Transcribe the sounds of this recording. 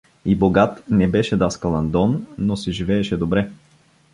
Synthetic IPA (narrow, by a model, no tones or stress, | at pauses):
iboɡat̪nɛbɛʃɛd̪askɐlˠɐnd̪ɔnːosɛʒivɛːʃɛd̪obɾɛ